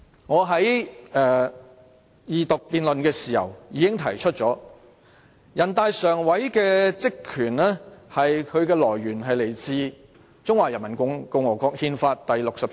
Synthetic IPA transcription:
ŋɔː˨˧ɦɐ˨˥jɛː˧ | jiː˨˩t̪ʊ˨k̚piː˨˧nlɵ˨nkɛː˧siː˨hɐ̰˨˩wjiː˨˧kɪ˥ŋt̪ʰɐ˨˩jt͡ʃʰɵ˥t̚t͡ʃɔː˨˥ | jɐ˨˩nt̪aː˨˧jsœː˨˩ŋwɐ˨˥jkɛː˧t͡sɪ˥kʰːyː˨˩nɛ˥hɐ˨jkʰɵ˨˧ɥkɛː˧lɔː˨˩jɥyː˨˩nɦɐ˨jle˨˩jt͡siː˧ | t͡sʊ˥ŋwaː˨˩jɐ˨˩nmɐ˨˩nkʊ˧˥ŋkʊ˧ŋwɔː˨˩kɔː˧k̚hiː˧nfaː˧t̚t̪ɐ˨jlʊ˨k̚sɐ˨p̚

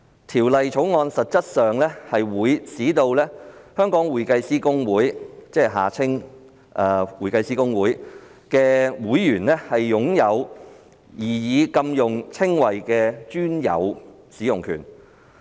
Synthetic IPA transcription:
t̪ʰiː˨˩wlɐ˨jt͡ʃʰo˨˥wŋɔː˧nsɐ˨t̚t͡sɐ˥t̚sœː˨ŋlɛː˥hɐ˨jwuː˨˧jsiː˨˥t̪o˧wlɛː˥hœː˥ŋkɔː˨˥ŋwuː˨˩jkɐ˧jsiː˥kʊ˥ŋwuː˨˥jt͡sɛː˥˩ɦa̰ː˨˩t͡sʰɪ˥ŋ | ʔɛː˧wuː˨˩jkɐ˧jsiː˥kʊ˥ŋwuː˨˥j | kɛː˧wuː˨˥jːyː˨˩nlɛː˥hɐ˨jːʊ˨˥ŋjɐ˨˧w | jiː˨˩jiː˨˧kɐ˧mjʊ˨˩ŋt͡sʰɪ˥ŋwɐ˨jkɛː˧t͡ʃyː˥njɐ̰˨˧w | siː˨˥jʊ˨ŋkʰy̰ː˨˩n

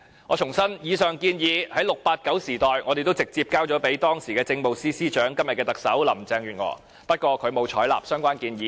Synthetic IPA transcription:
ŋɔː˨˧t͡ʃʰʊ˨˩ŋsɐ˥njiː˨˧sœː˨ŋkiː˧njiː˨˧hɐ˨˥jlʊ˨k̚paː˧t̚kɐ˨˥wsiː˨˩t̪ɔː˨jŋɔː˨˧e˨jt̪o˥wt͡sɪ˨k̚t͡siː˧p̚kaː˥wt͡ʃɔː˨˧˥pe˨˥jt̪ɔː˥ŋsiː˨˩kɛː˧t͡sɪ˧ŋpo˨wsiː˥siː˥t͡ʃœː˨˥ŋkɐ˥mjɐ˨t̚kɛː˧t̪ɐ˨k̚sɐ̰˨˥wlɐ˨˩m˨˩t͡sɛː˧ŋɥyː˨˩nŋɔ̰ː˨˥ | pɐ˥t̚kʷɔː˧kʰɵ˨˧ɥmo˨˧wt͡ʃʰɔː˨˥jla̰ː˨˩p̚sœː˥ŋkʷaː˥nkiː˧njiː˨˥

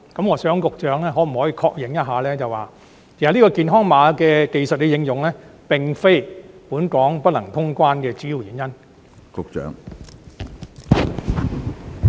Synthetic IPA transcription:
kɐ˨˥mŋɔː˨˧sœː˨˥ŋkʊ˨k̚t͡ʃœː˨˥ŋlɛː˥ɦɔː˨˥m̩˨˩hɔː˨˥jiː˧kʰɔː˧k̚jɪ˨˩ŋjɐ˥t̚ɦaː˨˧lɛː˥t͡sɐ˨waː˨˩ | kʰe˨˩ha˨li˥kɔː˧kiː˨nɦɔː˥ŋmaː˨˧kɛː˧ke˨jsɐ˨t̚ke˨˧jɪ˨˧ŋjʊ˨ŋlɛː˥pɪ˨ŋfe˥jpuː˨˥nkɔː˨˥ŋpɐ˥t̚lɐ˨˩ŋt̪ʰʊ˥ŋkʷaː˥nkɛː˧t͡siː˨˥ji˨˩wjiː˨˦njɐ˥n | kʊ˨k̚t͡ʃœ̰ː˨˥ŋ

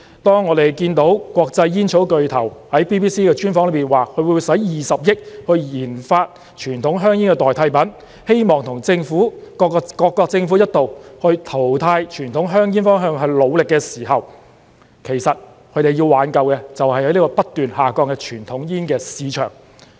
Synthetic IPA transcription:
t̪ɔː˥ŋːɔː˨˧˥t̪e˨˩jkiː˧nt̪o˨˥wkʷwɔː˧k̚t͡sɐ˧jːiː˥nt͡ʃʰo˨˥wkɵ˨ɥt̪ʰɐ˨˩whɐ˨˥jpiː˥piː˥siː˥kɛː˧t͡ʃyː˥nfɔː˨˥ŋlpiː˨˩nwaː˨kʰɵ˨˧˥wu˨˧jsɐ˨˥jjiː˨sɐ˨p̚jɪ˥k̚hɵ˧ɥjiː˨˩nfaː˧t̚ | t͡ʃʰyː˨˩nt̪ʰʊ˨˥ŋɦœː˥ŋjiː˥nkɛː˧t̪ɔː˨jt̪ʰɐ˧jpɐ˨˥n | he˥jmɔː˨˩ŋt̪ʰʊ˨˩ŋt͡sɪ˧ŋfuː˨˥kːkɔː˧kːɔː˧k̚t͡sɪ˧ŋfuː˨˥jɐ˥t̚t̪o˨whɵ˧ɥt̪ʰo˨˩wt̪ʰaː˧jt͡ʃʰyː˨˩nt̪ʰʊ˨˥ŋɦœː˥ŋjiː˥nfɔː˥ŋɦœː˧ŋɦɵ˧ɥlo˨˧wlɪ˨kːɛː˧siː˨˩ɦɐ˨w | kʰe˨˩jsɐ˨t̚ | kʰɵ˨˧ɥt̪e˨ji˧wwaː˨˥nkɐ˨˧wkɛː˧t͡sɐ˨whɐ˨jhɐ˨˥jniː˥kɔː˧pɐ˥t̚t̪yː˨˩nhaː˨kɔː˧ŋkɛ˧t͡ʃʰyː˨˩nt̪ʰʊ˨˥ŋjiː˥nkɛː˧siː˨˧t͡ʃʰœ̰ː˨˩ŋ

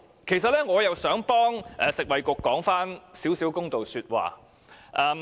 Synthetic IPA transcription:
kʰe˨˩js̬ɐ˨t̚lɛː˥ŋɔː˨˧jɐ˨wsœː˨˥ŋpɔː˥ŋʔɛː˨˩sɪ˨k̚wɐ˨jkʊ˧kːɔː˨˥ŋfaː˥nsiː˨˥wsiː˨˥wkʊ˥ŋt̪o˨wsyː˧t̚wa̰ː˨˩ | ʔɛ˧m

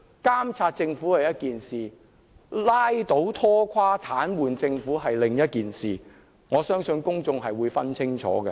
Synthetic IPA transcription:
kaː˥mt͡sʰaː˧t̚t͡sɪ˧ŋfu˨˥hɐ˨jɐ˥t̚kiː˨nsiː˨ | laː˥jt̪o˨˥wt̪ʰɔː˥kʷʰwaː˥t̪ʰaː˨˥nwuː˨nt͡sɪ˧ŋfuː˨˥ɦɐ˨jlɪ˨ŋjɐ˥t̚kiː˨˩nsiː˨˩ | ŋɔː˨˧sœː˥ŋsɵ˧nkʊ˥ŋt͡sʊ˧ŋɦɐ˨jwuː˨˧jfɐ˥nt͡sʰɪ˥ŋt͡ʃʰɔ̰ː˨˥ɡɛ˧

